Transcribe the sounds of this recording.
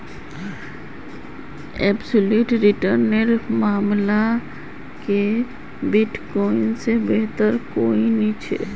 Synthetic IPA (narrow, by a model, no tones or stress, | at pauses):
ɛːbsoluːʈɾɪʈəɾneɾmaːmla | ke | bɪʈkɔːɪnsebeɦt̪əɾkoːinit͡ʃʰḛː